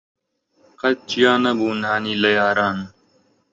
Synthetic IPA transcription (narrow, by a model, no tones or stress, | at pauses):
kʰɐt͡ʃjaːnɐbuːnaːniːləjaːɾaːn